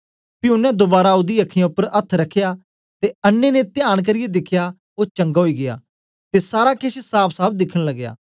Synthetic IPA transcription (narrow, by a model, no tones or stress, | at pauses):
pɪuʊnɛ̃d̪obaːɾaʊd̪iɐkʰːɪjãʊpːəɾɐt̪ʰɾɐkʰːeja | t̪eɐnːenet̪ɪjaːɽ̃k̬ɐɾɪjed̪ɪkʰːja | oːt͡ʃɐ̃ŋɡaɦoiɡɪja̰ː | t̪esaːɾakɪssaːpʰsaːb̚d̪ɪkʰəɽ̃lɐɡja̰ː